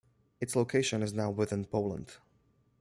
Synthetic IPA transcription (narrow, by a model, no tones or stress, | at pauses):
ɨtsloʊkʰeɪʃə̃nɨznaʊwɪθɪ̃npʰoʊlˠə̰̃nd̥